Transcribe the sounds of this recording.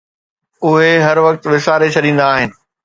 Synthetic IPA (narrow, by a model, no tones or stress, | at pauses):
ʊɦeɦɐɾʋɐkt̪ʋɪsaːɾet͡ɕʰɐɗĩːn̆d̪aːɦɪnɪ̆